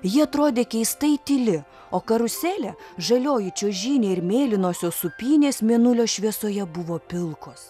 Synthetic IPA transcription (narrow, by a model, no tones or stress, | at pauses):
jɪɐt̪ɾoːd̪ʲeːkʲɛɪst̪ɐɪt̪ʲɪlʲɪ | oːkɐɾʊsʲæːlʲɛʒɐlʲoːjɪt͡ʃʲoːʒʲiːnʲeːɪɾmʲeːlʲɪnoːsʲoːsʊpʲiːnʲeːsmʲeɛnʊlʲoːʃʲʋʲiɛsoːjɛbʊʋoːpʲɪlˠkoːs